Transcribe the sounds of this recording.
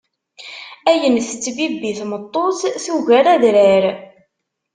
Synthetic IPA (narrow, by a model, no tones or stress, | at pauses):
æjənθt͡sːbibːiθmət̪ˤːoθθiʝæɾæðɾæɾ